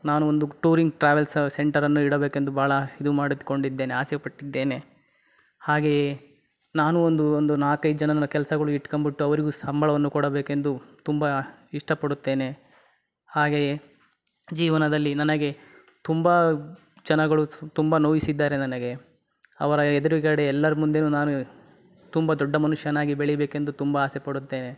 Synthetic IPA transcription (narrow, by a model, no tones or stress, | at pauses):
naːnuond̪uʈuːɾiŋɡʈɾaːʋelsse̞ɳʈɐɾɐnːuiɽɐbeːke̞nd̪ubʱaːɭɐhid̪umaːɽid̪ko̞ɳɖid̪ːe̞ːneaːsɛpɐʈːid̪ːe̞ːne̞ | haːɡe̞ | naːnuond̪uond̪unaːkɐjd͡ʒɐnɐnɐkɛlɐsɐɡɐɭuiʈːkombiʈːuɐʋɐɾiɡusɐmbʱɐɭɐʋɐnːukɔɽɐbe̞ːke̞nd̪ut̪umbɐiʂʈɐpɐɽut̪ːe̞ːne | haːɡe̞ | d͡ʒiːʋɐnɐd̪ɐlːinɐnɐɡe̞ | t̪umbɐ | d͡ʒɐnɐɡɐɭut̪umbɐnoːʋisid̪ːaːɾe̞nɐnɐɡe̞ | ɐ̰ʋɐɾɐɛd̪ɐɾikɐɽeɛlːɐɾɐmund̪enunaːnu | t̪umbɐd̪ɔɖːɐmɐnuʂjɐnːaːɡibeɭibeːke̞nd̪ut̪umbɐaːsepɐɽut̪ːe̞ːne̞